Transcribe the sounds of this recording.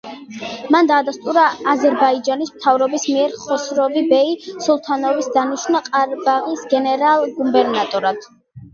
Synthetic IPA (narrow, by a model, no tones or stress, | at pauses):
mand̪aːd̪ast̪ʼuɾaːzɛɾbaid͡ʒanismt̪ʰavɾɔbismiɛɾχɔsɾɔvibɛisulˠt̪ʰanɔvisd̪aniʃnaqʼaɾbaʁisɡɛnɛɾalˠɡumbɛɾnat̪ʼɔɾad̪̥